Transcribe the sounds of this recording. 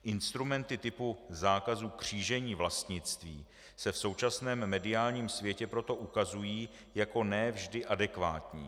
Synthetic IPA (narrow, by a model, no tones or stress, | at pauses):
ʔɪnst̪ɾumɛnt̪ɪt̪ɪpuzaːkazuːkr̝̥iːʒɛɲiːvlast̪ɲɪt͡st̪viː | sɛfso̞wt͡ʃasnɛːmːɛdɪaːlɲiːmsvjɛcɛpɾo̞t̪o̞ʔukazujiː | jako̞nɛvʒdɪʔadɛkva̰ːt̪ɲḭː